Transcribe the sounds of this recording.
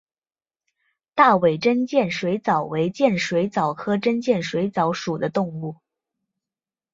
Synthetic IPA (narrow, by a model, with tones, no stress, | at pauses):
t̪a˥˩we˨˩ɪʈ͡ʂə˥nt͡ɕjɛ˥˩nʂwe˧˥ɪt͡sɑ˨˩ʊwe˧˥ɪt͡ɕjɛ˥˩nʂwe˧˥ɪt͡sɑ˨˩ʊkʰɤ˥ʈ͡ʂə˥nt͡ɕjɛ˥˩nʂwe˧˥ɪt͡sɑ˧˥ʊʂu˨˩d̪ə˦t̪ʊ˥˧ŋu˥˩